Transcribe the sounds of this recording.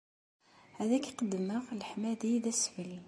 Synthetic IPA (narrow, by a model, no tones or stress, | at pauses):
hæðæki̥qəd̪ːəməʁlħmæðiðæsfəli